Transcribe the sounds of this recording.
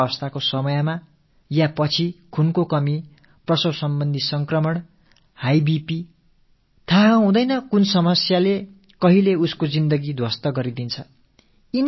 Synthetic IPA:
ʌst̪ʰakosʌmʌjma | japʌt͡sʰikʰunkokʌmi | prʌsʌwsʌmbʌnd̪ʱisʌŋkrʌmʌɳ | hajbipi | t̪ʰaɦɦũd̪ʌjnʌkunsʌmʌsjale | kʌɦileuskod͡zind̪ʌɡid̪ʱwʌst̪ʌɡʌɾid̪int͡sʰʌ | in

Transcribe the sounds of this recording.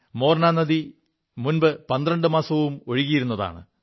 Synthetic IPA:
mo̞ːrnaːnːɐði | munbɨpɐnd̪rɐɳɖɨmaːsɐʋumo̞ɻiɣijiɾunːɐða̰ːɳɨ̰

